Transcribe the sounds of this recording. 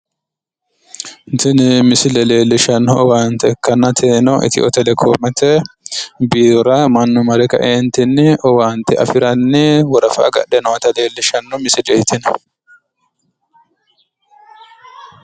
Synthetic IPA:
nt̪ɪnmɪsɪlɛle̞ːlːɪʃɐnːɔɔwaːnt̪ɛɛkːɐnːɐt̪ʰeːnɔʔɪ̰t̪ɪ̰ʔɔt̪ɛlɛkʰo̰ːmɛt̪ɛ | biːɾɐmɐnːʊmɐɾɛkɐ̰ʔent̪ɪnːɪʔɔwaːnt̪ɪɐ̰fɪɾɐnːɪwɔɾɐfa̰ːɡɐ̰ᶑɛnɔwɐt̪ɐle̞ːlːɪʃɐnːɔmɪsɪlɛɪt̪ɪn

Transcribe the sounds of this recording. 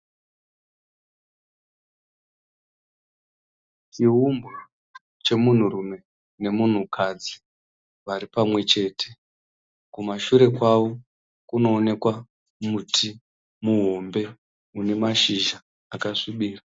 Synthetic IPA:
t͡ʃiɦumbu | t͡ʃe̞mun̤urume̞ | ne̞mun̤ukʰad͡zi̥ | ʋaɾipamwe̞t͡ʃe̞ːtʰe̞ | kumaʃuɾe̞kwawo | kuno̞ːne̞kwa | mutʰi | muɦo̞mbe̞ | une̞maʃiʒaː | kaʂiɓiːra

